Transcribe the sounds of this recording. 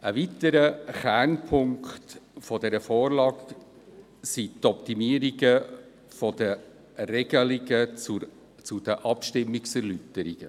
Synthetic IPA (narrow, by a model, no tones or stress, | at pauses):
əvitəɾəχænpʰʊŋktfɔdɛɾəfɔːrlɑːk | sit̪ɔp̚timiəɾiɡə | fɔdə | rɛɡəliɡə | t͡sud̥əʔɑpʃtɪmːiksɛɾlytəɾiɡ̥ə